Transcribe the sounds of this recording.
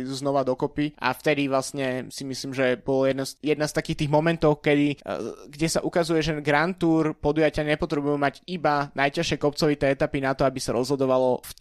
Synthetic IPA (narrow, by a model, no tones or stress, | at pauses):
iuznɔʋad̪ɔkɔpiʔa̰ft̪ɛd̪iʋlastɲɛsimisliːmʒɛbɔlɔjɛd̪ɛsjɛd̪nast̪akiːxt̪iːɣmɔmɛnt̪ɔʊkɛd̪iɡɟɛsaʔukazujɛʒɛɡɾant̪uːɾpɔd̪ujacɪaɲɛpɔt̪ɾɛbujumaɟibanajcaʃɪɛkɔp̚t͡sɔʋit̪ɛːɛt̪apinat̪ɔabisaɾɔzɦɔd̪ɔʋalɔf